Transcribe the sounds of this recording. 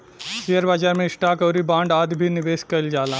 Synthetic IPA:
sijəɾbaːd͡ʒaːɾmẽɪsʈaːkɔːɾibãːɳɖaːd̪bʱinɪʋeːskɐld͡ʒaːlãː

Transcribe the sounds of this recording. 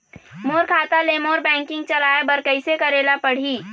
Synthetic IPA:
moːɾkʰaːt̪alemoːɾbɛ̃ːŋkɪ̃ŋɡ̚t͡ʃɐlaːebəɾkəɪsekəɾeːlapəɽ̤iː

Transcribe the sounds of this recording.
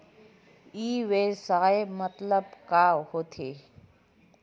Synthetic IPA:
iːʋesaːemət̪ləbkaːhoːt̪ʰeː

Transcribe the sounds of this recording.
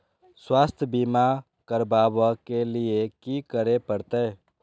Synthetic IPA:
swaːst̪ʰbiːma | kəɾbaːbakelɪekikəɾepəɾt̪eɦ

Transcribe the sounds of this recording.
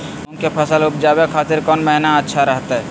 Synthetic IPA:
ʊnkepʰəsəlʊp̚d͡ʒaːbekʰaːt̪ɪɾkɔːnməɦnaətːʃʰaɾəɦt̪aɦɛ

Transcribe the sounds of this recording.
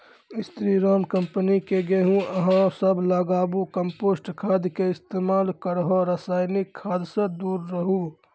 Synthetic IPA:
ɪst̪ɾiɾaːmkəmpənikeɡeɦũəɦãsəblaːɡaːbukəmpoːsʈkʰaːd̪keɪst̪eːmaːlkəɾɦoɾaːsaːɪnɪkʰːaːd̪sẽd̪uːɾːəɦu

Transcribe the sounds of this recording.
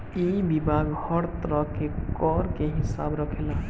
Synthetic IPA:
ibibʱaɡhəɾt̪ɾəkekɔɾkeɦisa̰bɾəkʰela

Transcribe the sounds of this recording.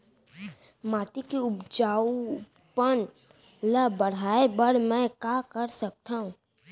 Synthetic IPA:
maːt̪ikiʊbd͡ʒaːu | pən | ləbəɽ̤aːebəɽmɛ̃kakəɾsɐk̚t̪aɦũː

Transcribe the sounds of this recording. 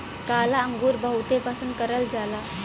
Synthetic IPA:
kalaəŋɡuːɾbəɦut̪epasuːnkəɾəld͡zala

